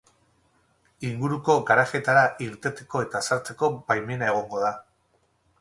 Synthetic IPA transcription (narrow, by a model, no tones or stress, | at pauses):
iŋɡuɾuko̞ɣaɾaxe̞t̪aɾaʔiɾt̪e̞t̪e̞̥ko̞e̞t̪asaɾt͡se̞ko̞bajme̞nae̞ɣ̞o̞ŋɡo̞ða